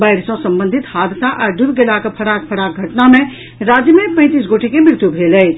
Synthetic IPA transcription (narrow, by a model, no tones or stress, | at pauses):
baɪɾsɔ̃sə̃mbə̃nd̪ʱit̪had̪t̪aʔaɖuɾɡelakepʰəɾak̚pʰəɾak̚ɡʱəʈnamẽ | ɾad͡ʒjəmẽpə̃ɪ̃t̪is̬ɡoʈʰikemɪɾt̪jubʱeləɪt͡ʃʰ